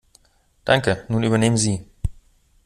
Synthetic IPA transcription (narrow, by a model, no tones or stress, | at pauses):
d̥aŋkənuːnyːbɐneːmənziː